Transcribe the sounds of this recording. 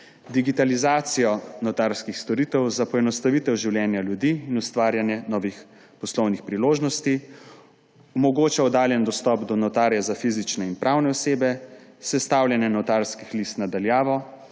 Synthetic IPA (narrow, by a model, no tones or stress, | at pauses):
d̪iɡit̪alizaːt̪sijɔnɔt̪aɾskixst̪ɔɾiːt̪ɛwzapɔɛnɔst̪aʋiːt̪ɛwʒiwljɛːnjaljud̪iːnust̪ʋaːɾjanjɛnɔːʋix | pɔslɔwnixpɾiloːʒnɔst̪i | ɔmɔɡoːt͡ʃaɔd̪aːljɛnd̪ɔst̪ɔpd̪ɔnɔt̪aːɾjɛzafizit͡ʃnɛinpɾʔawnɛɔseːbɛsɛst̪aːwljɛnjɛnɔt̪aɾskixlist̪nad̪aljaːʋɔ